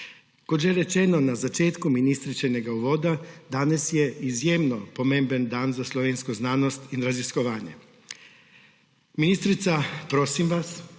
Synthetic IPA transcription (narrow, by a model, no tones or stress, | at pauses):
koʒeɾet͡ʃeno̞nazat͡ʃeːt̪kuminist̪ɾit͡ʃeneɡauʋod̪ad̪anasjeizjemnopo̞meːmbend̪aːnzaslˠoʋenskoznaːno̞st̪iɾazisko̞ʋaːɲḛ | minist̪ɾit̪sapɾo̞simʋas